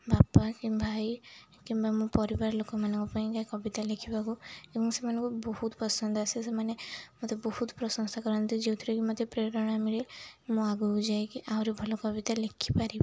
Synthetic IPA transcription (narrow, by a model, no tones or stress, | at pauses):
bapakĩmbʱaj | kimbamũpɔɾibaɾlokɔmanɔŋkupaĩkajkɔbit̪alekʰipakuebɔŋsemanɔ̃ŋkubɔhut̪pɔsɔnd̪ʱasesemanemɔt̪ebɔhut̪pɾɔsɔŋsakɔɾɔnt̪id͡ʒewt̪ʰiɾekimɔd̪ʱepɾeɾɔɽ̃amiɾemũaɡɔd͡ʒajkiʔawɾebʱɔlɔkɔbit̪alekʰipaɾi